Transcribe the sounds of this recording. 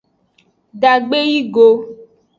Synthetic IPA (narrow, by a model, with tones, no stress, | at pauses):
ɖa˨ɡ͡be˦ji˦ɡo˦